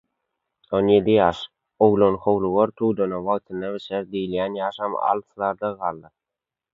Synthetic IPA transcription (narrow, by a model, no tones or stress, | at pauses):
onje̞d̪ijɑːʃ | owlˠonχowlˠuɣoɾt̪ʰuːd̪onɑwɑɣt̪ʰɯnːɑβet͡ʃæɾd̪ijljæːnjɑːʃɑmɑ̰lˠslˠɑɾd̪ɑʁɑːlˠːɯ